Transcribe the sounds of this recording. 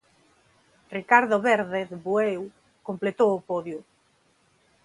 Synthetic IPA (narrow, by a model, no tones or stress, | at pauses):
rikaɾðoβeɾðeθbuew | komplet̪owːpoðju